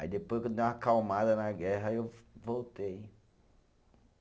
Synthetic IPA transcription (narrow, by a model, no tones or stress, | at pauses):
a̰id̪epojskõd̪ew̃akawmad̪ɐnaɡɛɦɐewvowt̪ej